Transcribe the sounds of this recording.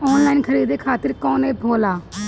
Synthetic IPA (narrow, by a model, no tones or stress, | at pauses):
ɔːnlaːinkʰəɾiːd̪eːkʰaːt̪əɾkoːneːpʰoːlaː